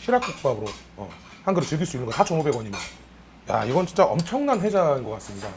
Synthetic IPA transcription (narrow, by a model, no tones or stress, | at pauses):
ɕʰiɾak͈̚uk̚p͈abɯɾo | ʌ̰ | hanɡɯɾet͡ɕɯɭɡiɭs͈uinːɯŋɡʌtat͡ɕomobe̞ɡwʌɲimʌn | ja̰iɡʌnt͡ɕint͡ɕ͈aʔʌmt͡ɕʰʌŋnanɸe̞d͡ʑainɡʌk͈ats͈ɯmɲida